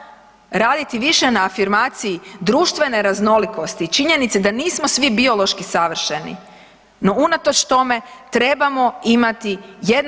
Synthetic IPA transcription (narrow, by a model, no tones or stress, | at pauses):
ɾaːd̪it̪iʋiʃe̞naːfiɾmaːt̪sijid̪ɾuːʃt̪ʋe̞ne̞ɾazno̞liko̞st̪it͡ʃiɲe̞nit̪sed̪aniːsmo̞sʋibio̞lˠo̞ʃkisaʋr̩ʃe̞nḭ | no̞unat̪ot͡ʃt̪o̞me̞t̪ɾe̞bamo̞imat̪ijed̪